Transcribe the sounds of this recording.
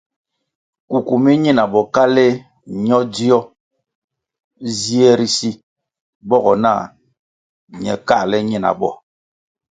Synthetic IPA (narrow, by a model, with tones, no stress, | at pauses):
ku˨ku˨mi˦ɲi˦na˨bɔ˨ka˦le˦ | ɲɔ˦di˦ɔ˦ | zi˦ɛ˦ɾi˦si˦ | bɔ˦ɣɔ˨na̰˦˨ | ɲɛ˨ka˦˨lɛ˦ɲi˦˨na̰˨bɔ̰˨